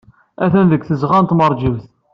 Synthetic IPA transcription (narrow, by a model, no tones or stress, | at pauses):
æθænðəɡθəzʁænt̪məɾˤd͡ʒiwθ